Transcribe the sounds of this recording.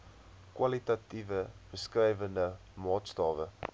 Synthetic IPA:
kwɐlitɐtivəb̥əskrɛjvəndə | mɑːtstɑːvə

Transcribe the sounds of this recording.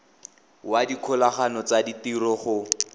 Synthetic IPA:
wadikʰʊlaχanɔt͡saditirɔχʊ

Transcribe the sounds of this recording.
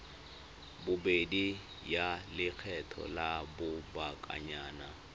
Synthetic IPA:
bʊbedi | jalɪk͡xʰɛtʰɔ̰labʊbakʼa̰ɲaːna

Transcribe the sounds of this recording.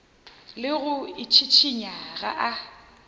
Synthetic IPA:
lɪɣʊɪt͡ʃʰit͡ʃʰiɲaɣa̰ʔa

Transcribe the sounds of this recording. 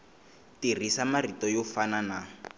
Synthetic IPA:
tirisamaritɔjɔfanana

